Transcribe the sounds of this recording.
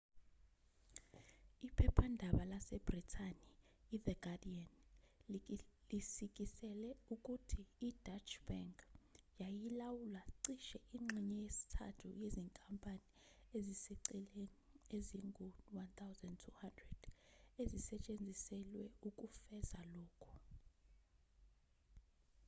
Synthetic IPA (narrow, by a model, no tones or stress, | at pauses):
ipʰɛpʰandʱaɓalasɛb̥ritʰaniːðɛɡ̥adian | lisik̬ʼisɛlɛuk̬ʼutʰiːd̥at͡ʃʰʼb̥aŋkjajilawulaǀiʃɛʔiŋ͡ǁʱiɲɛjesi̥tʰa̰tʰṵjeziŋkʼampʼani | ezisiǀilenieziŋɡʱunwant̪ʰawzandtʰuhandrɛd̥ezisɛt͡ʃʼend͡zʱisɛlwɛuk̬ʼufɛzalɔːkʰu̥